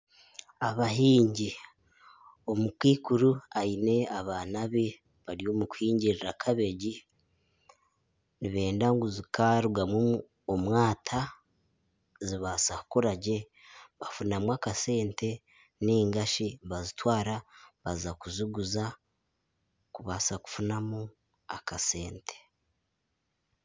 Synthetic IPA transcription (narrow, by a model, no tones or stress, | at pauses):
aβaɦiːɲɟi | o̞mukiːkuɾuaine̞aβaːnaβe̞ | βaɾio̞muku̥hiːɲɟiɾiɾakʰaβe̞ɟi | niβe̞ːndaŋɡuzikaɾuɡamwo | omwaːtʰa | ziβasakukoɾaɟe̞ | βafunamwakase̞ːnte̞ | niːŋɡaʃiβazitwaːɾaβazakuziɡuza | kuβasaku̥funamu | akase̞ːntʰe̥